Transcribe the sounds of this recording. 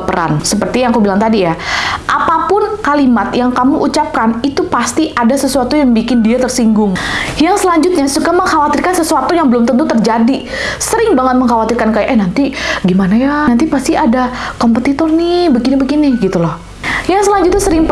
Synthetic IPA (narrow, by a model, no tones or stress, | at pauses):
pəɾa̰nsəpərt̪ijaŋakubilaŋt̪adijaʔapapʊnkalimat̪jaŋkamuʔut͡ʃap̚kanit̪upast̪iʔadasəsuat̪ujaŋbikɪndiat̪ərsiŋɡʊŋjaŋsəlaɲd͡ʒʊt̪̚ɲasukaməŋhawat̪irkansəsuat̪ujaŋbəlʊmt̪ənt̪ut̪ərd͡ʒadi | səɾɪŋbaŋət̪̚məŋhawat̪irkankajaʔɛnant̪iɡimanajanant̪ipast̪iʔadakompət̪it̪ɔrnɪbəɡinibəɡinɪhɡit̪ulɔh | jaŋsəlaɲd͡ʒut̪ɲasəɾɪŋp